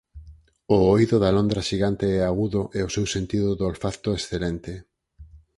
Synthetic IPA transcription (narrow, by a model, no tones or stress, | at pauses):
ooiðʊðalond̪ɾaʃiɣant̪eɛaɣuðʊʔɛʊsewsent̪iðʊðolfaθt̪oesθelent̪e